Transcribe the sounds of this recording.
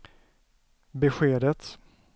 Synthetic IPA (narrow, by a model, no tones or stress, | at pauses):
bɛɧeːd̪ət̪